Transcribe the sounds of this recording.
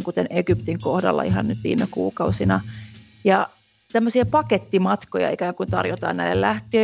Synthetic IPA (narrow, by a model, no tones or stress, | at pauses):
ŋkut̪enekypt̪iŋkohdɑ̰lːɑ̰iɦɑ̰nnyt̪ʋḭːmekṵːkɑusinɑ | jɑ | t̪æmːøsiɑpɑket̪ːimɑt̪kojɑ̰ikæːŋkunt̪ɑ̰rjot̪ɑ̰ːnæilːellæht̪øː